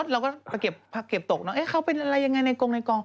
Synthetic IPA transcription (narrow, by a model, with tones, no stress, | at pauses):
o˦˥t̪̚ɾɛː˧wkɔː˥˩pa˧jke˨˩p̚pʰa˧˩ke˨˩p̚t̪o˨˩k̚nɔ˦˥ʔeː˦˥˩kʰa˦˥wpe˧nʔa˧ɾa˧jːa˧ŋːa˧jna˧jko˧ŋna˧jkɔː˧ŋ